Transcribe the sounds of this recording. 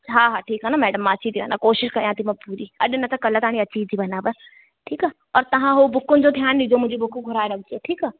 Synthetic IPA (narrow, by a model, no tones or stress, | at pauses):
ɦaːɦaːʈʰiːkɦɛnamɛːɖəmːãɐːʃʰit̪ʰibə̰nakoːʃɪʃkɐɾjãːt̪ʰimɐ̃puːɾiɐ̰ɗɪnɐt̪akɐlət̪aːɽ̃ĩɐt͡ʃʰiːt̪ʰibɐnaːbə | ʈʰiːkaː | ɔːɾt̪ɐɦãɦobʊkːʊnd͡ʒod̪ʰʱjaːnlid͡ʒoːmʊ̃d͡ʒʱebʊkːũɡʱʊɾaːeɾɐɡ̚d͡ʒieʈʰiːkaː